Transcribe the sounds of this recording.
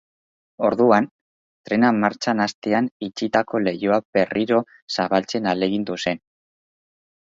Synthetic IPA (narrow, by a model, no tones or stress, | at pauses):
o̞ɾðuan | t̪ɾe̞namaɾt͡ʃanast̪eanit͡ʃit̪ako̞le̞joaβ̥e̞riɾo̞ | saβalt͡se̞nale̞ɣind̪use̞n